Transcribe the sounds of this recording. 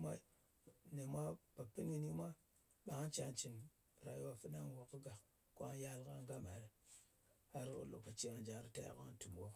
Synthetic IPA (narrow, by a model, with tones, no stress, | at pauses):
ma˦i˦ | ne˨mʷa˦ba˨pi˦ni˨ni˦ma˦ | ɓa˨ŋa˦t͡ʃa˨nt͡ʃi˨n˨ | ɾa˨jwa˦fi˦na˦ŋ˨wo˨kə˦ɡa˨k | ko˦a˦ja˦lka˦ŋɡa˦ma˨ɾe˨˦ | ha˦ɾko̰˨lo̰˨ka˨t͡ʃi˦ŋa˨d͡ʒa˨˦ɾta̰˦ja̰˨ka̰˦tu˨m˨wo˦k